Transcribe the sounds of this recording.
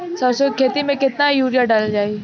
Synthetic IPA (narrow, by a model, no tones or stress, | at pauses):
sɔsokʰeːt̪imẽkɪt̪najuːɾjaɖaːld͡ʒaːi